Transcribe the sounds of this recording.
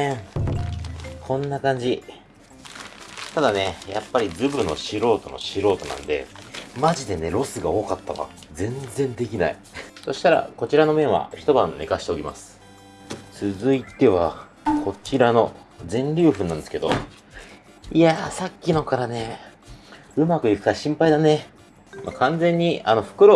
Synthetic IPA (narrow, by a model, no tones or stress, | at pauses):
kʰõ̞nːakãɲ̟d͡ʑi | t̪ad̪ane̞japːaɾʲizɨbɯ̟nːo̞ɕiɾo̞ːt̪o̞no̞̰ɕiɾo̞ːt̪o̞̰nã̰nd̪e̞̰maʑid̪e̞ne̞ɾo̞sɨɡao̞ːkat̪ːaβa̰d͡zẽ̞nd͡zẽ̞nd̪e̞kʲina̰i | so̞ɕi̥t̪aɾa̰ko̞t͡ɕiɾano̞mẽ̞ɰ̃βa̰çi̥t̪o̞bã̰nnːe̞̰kaɕi̥t̪eokʲima̰sɨ̥ | t͡sɨzɨit̪e̞βa | ko̞t͡ɕiɾano̞ | d͡zẽ̞ɲɾʲɨːɸɯ̟nãnd̪eske̞d̪o̞̰ | iasakʲːino̞kaɾane̞ | ɯ̟makɯ̟ikɯ̟̥kaɕĩmpaid̪ane̞ | makãnd͡zẽ̞ɲ̟ːiano̞ɸɯ̟̥kɯ̟ɾo